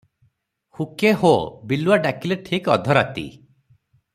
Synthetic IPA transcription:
hukeɦobiluaɖakileʈʰikɔ̰d̪ʱɔɾat̪ḭ

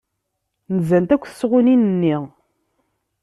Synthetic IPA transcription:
nəzænt̪ækʷːθə̥sːʁʊninənːiʁ

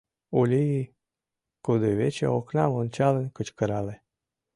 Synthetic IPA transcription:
ulʲiː | kud̪oβet͡ɕḛoknɑmont͡ɕɑlənkət͡ɕkəɾɑle

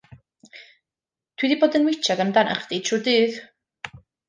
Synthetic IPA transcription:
d̥wiðiboːdənwɪt͡ʃʰadamdana̰χd̥itʰuːdɨːð

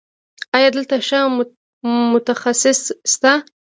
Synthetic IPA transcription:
ɑjɑd̪əlt̪aʂə | mʊt̪axasɪsːt̪a

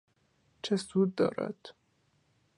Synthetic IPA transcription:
t͡ʃʰesud̪ːɒ̰ːɾæ̰d̪̥

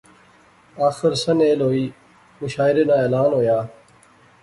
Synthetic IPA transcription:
aːxɪɾsəneːlɦoːiː | mʊʃaːɪɾeːnãːeːlaːnɦoːjaː

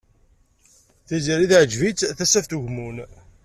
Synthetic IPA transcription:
θizəɾiðʕd͡ʒvit͡s̪θæsæft̪uʝmun

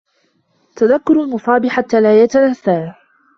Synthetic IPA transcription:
t̪aðakːʊɾalmʊsˤɑːbiħat̪ːaːlaːjat̪anasaː

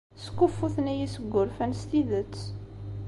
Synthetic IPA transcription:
skːufːuθnæjisəɡʷːʊɾfænst̪iðət͡sː

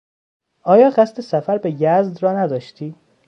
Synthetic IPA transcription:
ʔɒːjɒːɢæst̪ʰesæfæɾbejæzd̪ɾɒːnæd̪ɒːʃt̪ʰiː

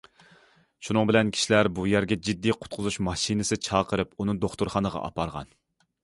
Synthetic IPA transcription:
ʃunɨŋbɪlɛnkʲʰi̥ʃilæɾbujæɾɡʲɛd͡ʒid̪ːijqʰʊ̥t̪̚qʰʊzuʃmɑʃinɪsɨt͡ʃʰɑːqʰəɾɨpunɨd̪oχt̪uɾχɑnəʁɑ̰ʔɑ̰pʰɑɾʁɑ̰n

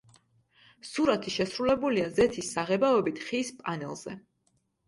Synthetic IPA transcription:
suɾat̪ʰiʃɛsɾulɛbuliazɛt̪ʰisːaʁɛbaɔbit̪ʰχiːspʼanɛlˠz̥ɛ

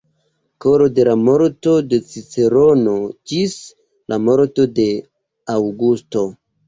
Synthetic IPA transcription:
koɾo̞de̞lamo̞ɾto̞de̞t͡sit͡seɾono̞d͡ʒis | lamo̞ɾto̞de̞ | awɡusto̞

